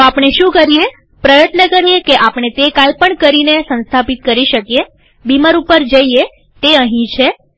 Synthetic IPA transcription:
t̪oapɳ̃eʃũkəɾije | pɾəjət̪nəkəɾijekeʔapɳ̃et̪ekalpəɳkəɾinesə̃nst̪ʰapit̪̚kəɾiʃəkije | bimaɾupəɾd͡ʒəie | t̪eəɦĩt͡ʃʰe

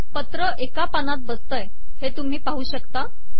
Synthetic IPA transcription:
pət̪ɾəʔekapanat̪̚bəst̪əj | het̪um̤iːpaɦuːɕəkt̪a

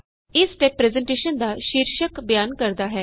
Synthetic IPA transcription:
isʈepːɾezeɳʈeʃənd̪aʃiɾʃəkbjankəɾd̪aɦɛː

